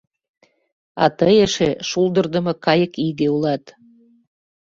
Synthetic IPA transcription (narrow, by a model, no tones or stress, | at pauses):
ɑ̰t̪əjeʃeʃuld̪ərd̪ə̆mɤ̆kɑjə̆kiɣeulɑt̪